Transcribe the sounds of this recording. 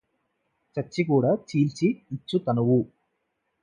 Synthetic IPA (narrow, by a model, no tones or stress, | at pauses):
t͡ʃɐt͡ʃːikuːɽaːt͡ʃiːlt͡ʃiːt͡ʃːut̪ɐnuwu